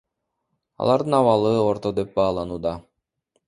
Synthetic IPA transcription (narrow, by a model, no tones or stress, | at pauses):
ɑ̰lˠɑɾd̪ɯnɑwɑlˠɯoɾt̪od̪ep̚bɑːlˠɑnuːd̪ɑ